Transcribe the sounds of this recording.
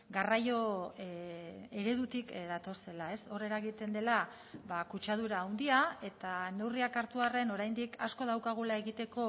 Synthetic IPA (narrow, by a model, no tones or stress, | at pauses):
ɡarajo̞ | e̞ɾe̞ðut̪ikðat̪o̞se̞lae̞so̞re̞ɾaɣit̪e̞nd̪e̞la | βakut͡ʃað̞uɾaːwnd̪iae̞t̪ane̞wriakaɾt̪uare̞no̞ɾajnd̪ikasko̞ð̞awkaɣ̞ulae̞ɣit̪e̞ko̞